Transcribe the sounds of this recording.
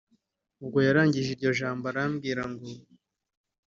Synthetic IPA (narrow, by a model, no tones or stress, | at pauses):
uɡojaɾaːɲɟiʒiɾɟo̞ʒaːmboɾamɡiːɾaŋɡo